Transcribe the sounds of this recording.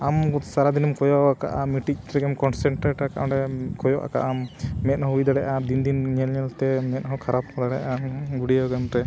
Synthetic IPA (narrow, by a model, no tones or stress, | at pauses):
amsaɾad̪inɔmkɔjɔakaʔamiʈik̚ɾɛɡɛmkɔnsɛɳʈɾɛʈakaʔɔ̃ɖɛkɔjɔʔa̰ka̰ʔamɛt̪̚ˀhɔujd̪aɽɛʔad̪ind̪inɲɛlɲɛlt̪ɛmɛt̪̚ˀɦɔkʰaɾap̚kɔd̪aɽɛʔaɡuɽijɔɡɛmt̪ɛ